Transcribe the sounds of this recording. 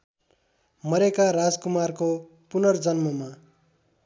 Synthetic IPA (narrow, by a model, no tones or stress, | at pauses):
mʌɾekarad͡zkumarko | punʌrd͡zʌnmʌma